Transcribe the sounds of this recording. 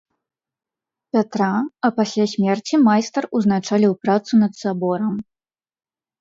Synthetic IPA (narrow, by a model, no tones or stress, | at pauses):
pʲat̪ɾaɐpasʲlʲasʲmʲɛrt͡sʲimajst̪ɐruznat͡ʂalʲiwpɾat̪sunɐt̪sabɔɾɐm